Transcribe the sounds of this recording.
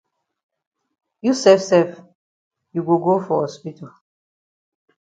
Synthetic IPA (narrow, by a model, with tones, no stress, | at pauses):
ju˦sɛ˦fsɛ˦f | ju˨ɡo˨ɡo˦fɔ˨hɔ˦spi˦tɔ˨